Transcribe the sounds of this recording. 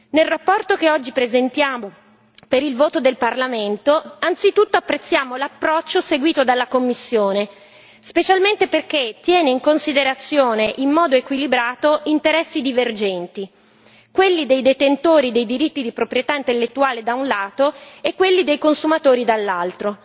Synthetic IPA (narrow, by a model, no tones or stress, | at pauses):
nelrapːɔrt̪okeɔd͡ʒːipɾezent̪jaːmo | peɾilvoːt̪od̪elparlament̪oant̪sit̪ut̪ːoapːɾet̪sːjaːmolapːɾɔt͡ʃːoseɡwiːt̪od̪alːakomːisːjoːne | spet͡ʃalment̪eperket̪ːjɛːneiŋkonsid̪eɾat̪sːjoːneʔimːɔːd̪oekwilibɾaːt̪oʔint̪eɾɛsːid̪iverd͡ʒɛnt̪i | kwelːid̪ejd̪et̪ent̪oːɾid̪ejd̪iɾit̪ːid̪ipɾopɾjet̪aint̪elːet̪ːuaːled̪aunlaːt̪oekːwelːid̪ejkonsumat̪oːɾid̪alːalt̪ɾo